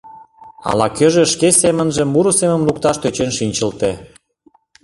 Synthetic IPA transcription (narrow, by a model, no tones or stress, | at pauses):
ɑ̰lɑkøʒĕʃkesemə̆nʒə̆mːuɾusemə̆mluk̚t̪ɑʃt̪øt͡ɕenʃinʲt͡ɕə̆lt̪e